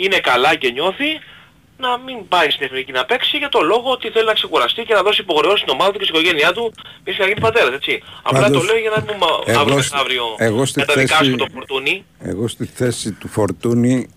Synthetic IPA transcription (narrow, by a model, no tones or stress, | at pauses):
ine̞kɐlɐce̞ɲo̞θi | nɐmimbɐɾisineθnicinɐpe̞ksiʝɐt̪o̞lo̞ɣo̞ot̪iθe̞linɐkse̞kuɾɐst̪ice̞nɐðo̞siːpo̞xɾe̞ost̪ino̞mɐðɐt̪ucsi̥koʝe̞niɐt̪umisçnɐʝinipɐt̪e̞ɾɐse̞t͡siɐ̰plɐt̪ole̞oʝɐnɐmumɐvɾɐvɾio̞eɣost̪ikɐt̪ɐðikɐst̪ofo̞ɾt̪uni | ḛɣost̪iθesit̪ufoɾt̪uni